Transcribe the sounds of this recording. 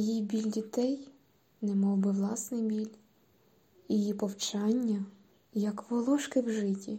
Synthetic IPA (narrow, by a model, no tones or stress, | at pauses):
jibʲilʲdʲit̪ɛj | nɛmɔwbɪʋlˠɑsnɪjbʲilʲ | jijipɔwt͡ʃɑnʲːɐ | jɐkʋɔlˠɔʃkɪwʒɪtʲi